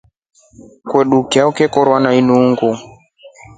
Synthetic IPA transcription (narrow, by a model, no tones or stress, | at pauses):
kwɛɗukiaukɛkɔɾwanainuŋɡu